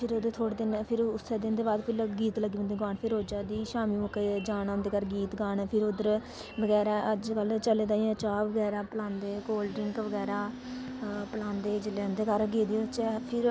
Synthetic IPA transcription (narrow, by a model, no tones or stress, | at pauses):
pʰɪɾʊd̪ət̪ʰoːɽeːd̪ɪnpʰɪɾʊseːd̪ɪnd̪eːbaːd̪pʰɪlɡiːt̪ləɡiːə̃ːnd̪eːɡaːɳpʰɪɾoːd͡ʒaːd̪iːʃaːmĩũkːeːd͡ʒaːnaːʊnd̪eːkəɾɡiːt̪ɡaːɳːpʰɪɾʊd̪əɾ | bəɡɛːɾaːʔəd͡ʒkəlt͡ʃəleːd̪aːĩt͡ʃaːʋəɡɛːɾaːpəlãːnd̪eːkoːlʈɪŋkʋəɡɛːɾaː | pəlãːnd̪eːd͡ʒɪleːnd̪eːkəɾɡeːd̪iːt͡ʃɛːpʰɪɾ